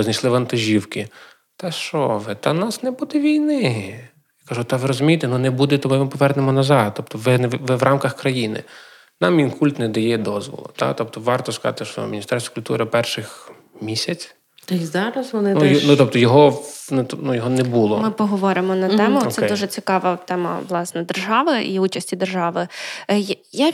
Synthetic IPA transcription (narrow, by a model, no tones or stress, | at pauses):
znɐjslˠɪʋɐnt̪ɐʒʲiwkɪ | t̪ɛʃt͡ʃɔʋɪt̪ɐnɑsnɛbud̪ɛʋʲijnɪ | jakɐʒut̪ɐʋɪɾɔzʊmʲijt̪ɛnunɛbud̪ɛt̪ɔbmɪpɔʋɛrnemɔnɐzɑd̪̚t̪ɔp̚t̪ɔʋɪnʋɪʋrɑmkɐxkɾɐjinɪ̰ | nɑmʋʲinkulʲt̪nɛd̪ɐjɛd̪ɔzʋɔ̰lˠɔ̰t̪ɑ̰t̪ɔp̚t̪ɔʋɑrt̪ɔskɑɑ̰t̪ɪʃɔ̰mʲinʲist̪ɛrst̪ʋɐkʊlʲt̪uɾɪpɛrʃɪx | mʲisʲɐt͡sʲ | t̪ɔzɑɾɐsʋɔnɪnjnut̪ɔp̚t̪ɔjɔɦɔnut̪nujɔɦɔnɛbulˠɔmɪpɔɦɔʋɔɾɪmɔnɐt̪ɛmʊɛd̪uʒɛt͡sʲikɑʋɐt̪ɛmɐ̰ʋlˠɑsnɛd̪erʒɑʋɪʔiut͡ʃɐsʲtʲid̪erʒɑʋɪj | ja